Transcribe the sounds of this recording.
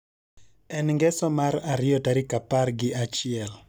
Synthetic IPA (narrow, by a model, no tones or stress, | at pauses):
ɛnŋɡɛsɔmaɾaɾɪjɔtaɾɪkaparɡɪʔat͡ʃɪɛl